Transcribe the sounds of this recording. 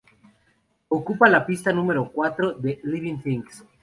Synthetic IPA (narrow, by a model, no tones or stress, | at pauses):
okupalapist̪anũmeɾokwat̪ɾoðeliβiŋθiŋks